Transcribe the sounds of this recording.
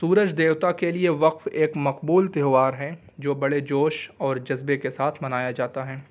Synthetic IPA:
suːɾəd͡ʒd̪eːwt̪akelieʋɐqfeːkmɐqbuːlt̪eɦʋaːɾɦɛ̃ | d͡ʒoːbɐɽed͡ʒoːʃɔːɾd͡ʒɐzbekesaːt̪ʰmɐnaːjad͡ʒaːt̪aɦɛː

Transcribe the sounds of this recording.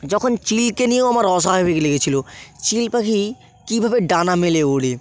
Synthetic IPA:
d͡ʑɔkʰont͡ɕilkenieamaɾɔʃ̬aebikleɡet͡ɕʰilot͡ɕilpakʰi | kibʱabeɖanameleoɽe

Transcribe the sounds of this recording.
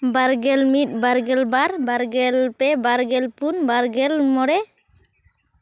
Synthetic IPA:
baɾɡɛlmit̪̚ˀbaɾɡɛlbaɾbaɾɡɛlpɛbaɾɡɛlpunbaɾɡɛlmɔɽɛ

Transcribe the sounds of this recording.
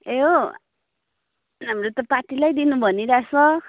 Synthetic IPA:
eɦo | ɦamrot̪ʌpaʈilajd̪inubʱʌniɾasʌ

